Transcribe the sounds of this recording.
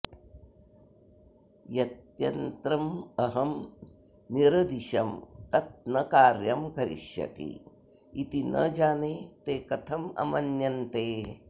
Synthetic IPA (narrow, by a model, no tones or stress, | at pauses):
jɐt̪jɐnt̪ɾɐmɐɦɐm | niɾɐd̪iʃɐmt̪ɐt̪̚nɐkaːɾjɐmkɐɾḭʃjɐ̰t̪ḭ | it̪inʔɐ̰d͡ʒaːneːt̪eːkɐt̪ʰɐmɐ̰mɐnjɐnt̪eː